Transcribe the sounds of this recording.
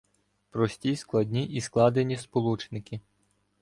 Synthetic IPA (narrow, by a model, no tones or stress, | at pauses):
pɾɔsʲtʲisklˠɐd̪ʲnʲiʔisklˠɑd̪enʲispɔlˠut͡ʃnɪkɪ